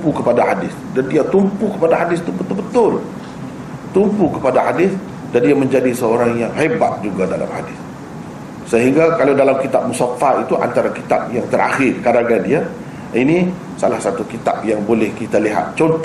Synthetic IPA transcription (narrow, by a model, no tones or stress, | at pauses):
pukəpadaɦadɪsdandiat̪umpukəpadaɦadɪst̪ubət̪ʊlbət̪ʊl | t̪umpukəpadahadɪs | dandiamə̃ɲd͡ʒadisəoɾaŋjaŋɦebat̪̚d͡ʒuɡadala̰mha̰dɪs | səɦiŋɡakalawdalamkit̪ap̚musafait̪uʔa̰nt̪aɾakit̪ap̚jaŋt̪əɾa̰xɪrkadaɡandia | ini | salahsat̪ukit̪a̰p̚jaŋbolɛhkit̪aliɦa̰t̪̚t͡ʃɔnt̪